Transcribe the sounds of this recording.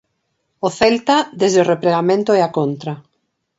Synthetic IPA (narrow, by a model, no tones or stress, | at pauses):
oθelt̪ad̪ezðeorepɾeɣamẽnt̪oɛakont̪ɾa